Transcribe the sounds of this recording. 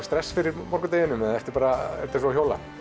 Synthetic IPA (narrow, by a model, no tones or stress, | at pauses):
st̪ɾɛsːfɪɾɪɾmɔɾkʏt̪eːjɪnʏmɛðaɛft̪ɪ̥ɾpaːɾaɛ̰ft̪ɪsɔçjowla̰